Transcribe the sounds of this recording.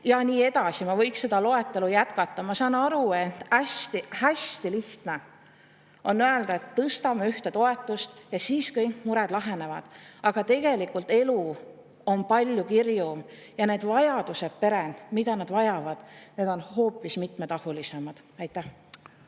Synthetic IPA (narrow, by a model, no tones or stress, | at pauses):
jɑniːe̞d̪ɑsimɑvɤjksse̞d̪ɑlo̞e̞t̪ːˑe̞lujæt̪kɑt̪ˑːɑmɑsɑːnɑɾuet̪ːˑæst̪ihæst̪iliht̪ne | o̞nːøeld̪̥ɑet̪ːɤst̪ɑmeyht̪et̪o̞e̞t̪ːˑust̪jɑsiːskɤjŋkmuɾɛd̪̥lɑɦene̞vɑ̰d̪̥ɑɡ̥ɑt̪e̞ɡ̥e̞likːˑult̪ːe̞lu | o̞npɑlʲjukirjum | jɑne̞ːd̪̥vɑjɑd̪̥use̞t̪pe̞ɾend̪mid̪ɑnɑd̪vɑjɑvɑd̪̥ne̞ːd̪o̞nho̞ːpːˑismit̪met̪ɑhulise̞mɑd̪̥æjt̪ːˑæh